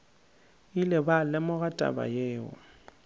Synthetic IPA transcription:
ilɪbalɪmʊɣatʼa̰ba̰jeːʊ̰

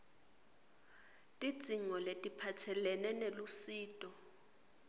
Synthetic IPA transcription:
tʼid̥z̥ʱiŋɔletʼipʰatʰɛlɛnɛnelusiːtʼɔ

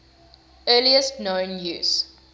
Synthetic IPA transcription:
ɜːliəstnõʊ̃njṵːz̥

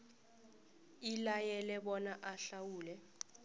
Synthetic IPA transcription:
ilajɛlɛɓɔnaʔaɬawuːlɛ

